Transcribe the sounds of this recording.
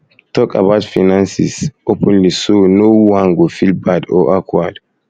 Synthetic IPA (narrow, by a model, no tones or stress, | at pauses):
tɔkʼa̰batfinansḭsʔopʰɔnlisonowaŋɡɔfilbadɔ̰ʔakwad